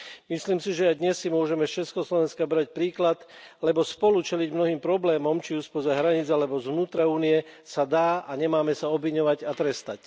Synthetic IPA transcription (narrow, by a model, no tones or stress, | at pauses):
misliːmsiʒɛajd̪ɲɛsːimʊɔʒɛmɛst͡ʃɛskɔslɔʋɛnskabɾac̚pɾiːklat̪lɛbɔspɔlut͡ʃɛliɟmnɔɦiːmpɾɔblɛːmɔmt͡ʃiuːspɔzaɦɾaɲit͡salɛbɔzʋnuːt̪ɾauːnijɛsad̪aːaɲɛmaːmɛsaɔbʋiɲɔʋaɟat̪ɾɛst̪a̰c